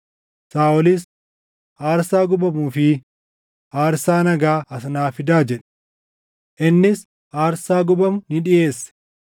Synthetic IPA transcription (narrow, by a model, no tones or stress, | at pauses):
saːʔɔlis | ʔaːɾsaːɡʊbɐmuːfɪ | ʔaːɾsaːnɐɡaːʔɐs̬naːfɪd̪aːd͡ʒɛᶑ̥ | ʔɪnːɪs | ʔaːɾsaːɡʊbɐmnɪᶑɪjeːsːɛ̥